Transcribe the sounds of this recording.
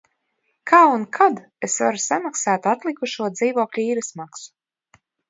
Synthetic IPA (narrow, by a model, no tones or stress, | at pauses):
kʰaːunkʰad̪ | esva̰ɾusamaksaːt̪at̪lˠikuʃuɔd̪ziːvuɔklʲuiːɾɨsmaksu̥